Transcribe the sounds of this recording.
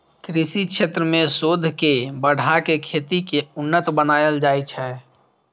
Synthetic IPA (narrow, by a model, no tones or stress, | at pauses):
kɾɪsikʃʰet̪ɾəmẽsod̪ʱkebəɽ̤ʱakekʰet̪ikeʊnːət̪bənaːjəld͡ʒaːit͡ʃʰɛ